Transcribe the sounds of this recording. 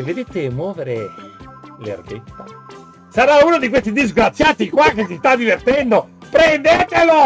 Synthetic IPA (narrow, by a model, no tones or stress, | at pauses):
ved̪et̪emːwɔːveɾe | lḛrɡet̪ːa | saɾauːnod̪ikwest̪id̪izɡɾat̪sːjat̪ikwakːes̬ist̪ad̪ːivert̪ɛnd̪opɾend̪eːt̪elo